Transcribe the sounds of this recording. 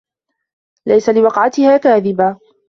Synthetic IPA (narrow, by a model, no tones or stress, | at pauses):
lajsalɪwɑqʕat̪ɪhaːkaːðɪba